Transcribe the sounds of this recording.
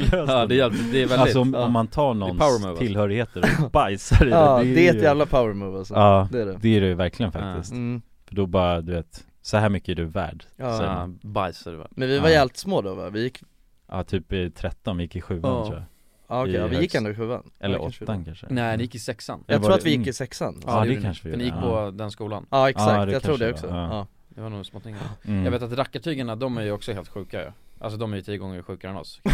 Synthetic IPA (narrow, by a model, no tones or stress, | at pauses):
lød̪ɛɛd̪ɛvɛlalsɔɔmɔmːant̪ʰɑːɳɔnawəuɪlːhœːɾɪɡheːt̪əɾɔbajsaɾɪɛd̪ɛɛjævlapʰaʊəɾmuvasɔɑːd̪ɛdɛd̪ɛæɾɛvæɾklɪɡənfa̰k̚t̪ɪ̰st̪ː | fœɖɔbɑːɾad̪ɵveːt̪ | sɔhæːɾmʏkːəæɖɵvæ̰ːɖsɛ̰ːma̰nbajsadɛva̰mɛnvɪvaɾjɛlt̪smoːd̪ɔva̰vɪjɪkː | ʔɑt̪ʰyːpɪt̪ʰɾɛt̪ːɔnvɪjɪkːɪɧʉ̟ːant̪ʰṵːa̰ | ɑːɔkɛvɪjɪkkːɛnd̪ʊɪɧʉ̟ːa̰nɛ̰lːəɾʔɔt̪ːankʰanʂə̰nɛːnɪjɪkːɪsɛksanjɑːɡʰuːɾavɪjɪkːɪsɛksanːɛkʰanʂəvɪfnɪjɪkk̚ːpʰɔd̪ɛnskuːlanɑːɛksad̪ɛjɑt̪ʰɾuːəɛɔksɔɑː | d̪ɪvanuːsmoːt̪ɪŋːjɑɡveːt̪at̪ɾakːaʈʰyːɡaɳad̪ɔmæɾjɵɔksɔheːlt̪ɧʉ̟ːkajə̰ʔa̰ls̬ɔd̪ɔmæɾjʏt̪ʰiːəɡɔŋːəɾɧʉ̟ːkaɾɛnɔ̰s